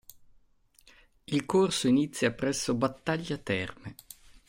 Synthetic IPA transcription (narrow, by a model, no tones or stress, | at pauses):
ilkorsoinit̪sːjapɾɛsːobat̪ːaʎːat̪ɛrme